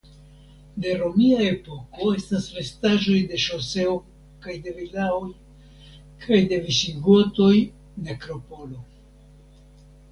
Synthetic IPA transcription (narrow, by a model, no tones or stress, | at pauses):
de̞ɾo̞miae̞po̞ko̞e̞stasɾe̞staʒo̞jde̞ʃose̞o | kajde̞vilaoj | kʰajde̞viʃiɡoto̞j | nekɾo̞po̞lo̞